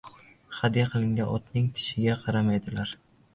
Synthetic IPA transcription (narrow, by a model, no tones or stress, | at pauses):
χɑd̪jaqʰɨlˠɪŋʲanɒt̪nɪŋt̪ʰɪ̥ʃɪɡʲaqʰɑɾamajd̪ɪlaɾ